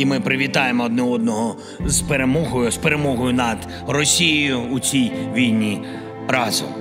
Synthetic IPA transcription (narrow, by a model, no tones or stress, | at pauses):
imɪpɾɪʋʲit̪ɑjemɔɔd̪nɛɔd̪̚nɔɦɔ | zpeɾemɔɦɔjʊspeɾemɔɦɔjʊnɐd̪ | rɔsʲijijʊut͡sʲijʋʲijnʲi | ɾɑzʊ̰